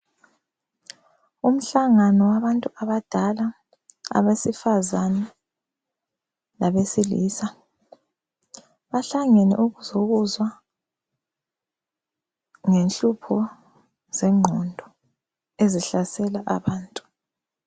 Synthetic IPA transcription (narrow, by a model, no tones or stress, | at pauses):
um̩ɬaŋanɔwaβantʼuaβad̥ʱala | a̰βesifazanɛ | laβesilḭːsa | βaɬaŋɛnɛ̰ʔuɣuzoɣuzwa | ŋenɬupʰɔ | zɛŋ͡ǃʱɔndʱɔ | eziɬasɛlaʔa̰βaːntʼu̥